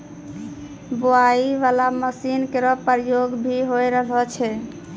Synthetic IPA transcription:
boaiʋalaməsinkeɾɔpəɾjoɡbʱiɦojɾəɦət͡ʃʰɛ

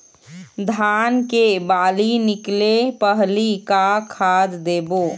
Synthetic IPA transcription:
d̪ʱaːnkebaːlinɪklepəɦlikakʰaːd̪d̪eːboː

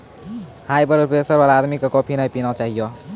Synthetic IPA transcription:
hajpəɾpɾopesəɾbalaːd̪mikekɔpʰinəjpinɔt͡ʃaɦijɔ

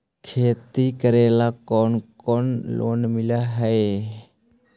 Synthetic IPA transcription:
kʰeːt̪iːkəɾeːlaːkoːnkoːnlo̰ːnmɪlaːɦəe

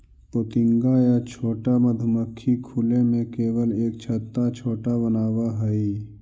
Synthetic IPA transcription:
pot̪ɪ̃ŋɡajat͡ʃʰoːʈaməd̪ʱʊməkʰːikʰulẽmẽkeːwəleːkt͡ʃʰət̪ːat͡ʃʰoːʈabənaːwaɦəi

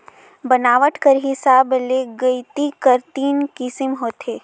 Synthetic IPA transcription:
bənaːʋəʈkəɾɦɪsaːbleːɡɐit̪ikəɾt̪iːnkɪsɪmɦoːt̪eː

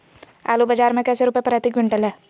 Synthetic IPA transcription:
a̰ːlubad͡ʒaːɾmẽkɛːseɾupepɾaːt̪ɪkʋɪ̃ɳʈəlɦɛː

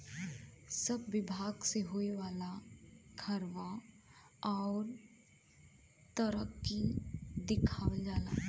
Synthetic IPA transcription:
səbːɪbʱaːɡseɦoeʋaːlaɡʰʱəɾʋa | ɔːɾ | t̪əɾəkːid̪ɪkʰad͡ʒaːla̰ː

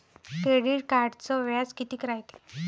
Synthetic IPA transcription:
keɽiɽkaɾɖt͡sɔʋjad͡zkit̪iːkɾajt̪e̥

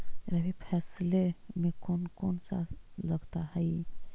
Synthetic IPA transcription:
ɾabʱipʰɛslemekonkonsa̰ləɡt̪ahəɪ

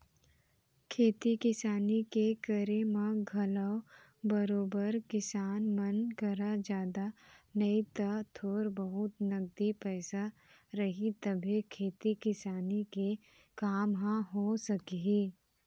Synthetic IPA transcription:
kʰeːt̪ikɪsaːnikekəɾemãɡʱɐləw | bɐɾoːbəɾkɪsaːnmɐnkɐɾad͡ʒjaːd̪anɐit̪at̪ʰoːɾbəɦʊt̪nɐɡ̚d̪ipɛːsa | ɾɐɦit̪ɐbʱikʰeːt̪ikɪsaːnike | kaːmɦãɦosɐkɦiː

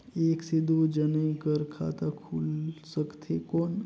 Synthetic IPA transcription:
eːksɪd̪ʱud͡ʒənẽkəɾkʰa̰t̪akʰulsəkt̪ʰekoːn

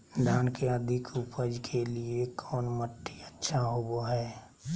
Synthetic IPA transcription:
d̪aːnkeəd̪ʱɪkʊpəd͡ʒkʰeliekʰɔːnməʈːiətːʃʰaɦoboɦɛː

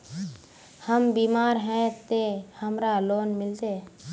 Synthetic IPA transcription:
həmbiːmaːɾɦɛ̃ːt̪ehəmɾaloːnmɪlt̪eː

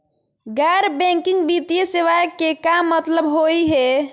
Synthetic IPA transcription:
ɡɛɾbɛ̃ŋkɪŋɡbit̪ijeseʋaekːekamːət̪ləbɦoiɦɛ

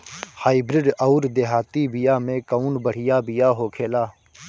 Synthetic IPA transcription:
haːibɾɪɖəʊɾd̪eːɦaːt̪iːbɪjaːmẽːkəuːnbəɽ̤ɪjaːbɪjaːɦoːkʰeːlaː

